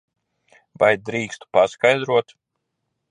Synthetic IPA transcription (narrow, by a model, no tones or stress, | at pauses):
vajd̪ɾiːkst̪u̥paskajd̪ɾuɔt̪